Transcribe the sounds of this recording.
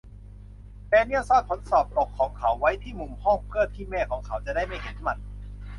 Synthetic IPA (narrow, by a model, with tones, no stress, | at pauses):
pɛː˧ni˥˩əwsaː˥˩p̚kʰo˨˩˦nsɔː˨˩p̚ʔo˨˩kʰːɔː˩˦ŋkʰa˨˦wːa˦˥jt̪ʰiː˥˩mu˨˩mhɔː˥˩ŋpʰɯ˥˩tt̪ʰːiː˥˩mɛː˥˩kʰɔː˩˦ŋkʰa˩˦˥wt͡ɕa˨˩da˥˩jma˥˩jhe˨˦nma˨˧˩n̚